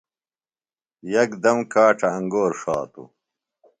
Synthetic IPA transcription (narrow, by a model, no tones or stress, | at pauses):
jɐkd̪ɐmkaːʈʰɐːŋɡoːɾʂaːt̪ṵ